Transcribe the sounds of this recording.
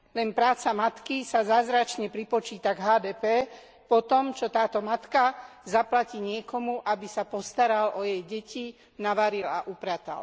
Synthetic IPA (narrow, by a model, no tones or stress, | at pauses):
lɛnpɾaːt͡samat̪kisazaːzɾat͡ʃɲɛpɾipɔt͡ʃiːt̪aɡɦaːd̪ɛːpɛː | pɔt̪ɔmt͡ʃɔt̪aːt̪ɔmat̪kazaplaciːɲɪɛkɔmuʔabisapɔst̪aɾalʔɔjɛjɟɛci | naʋaɾila̰ʔupɾat̪a̰l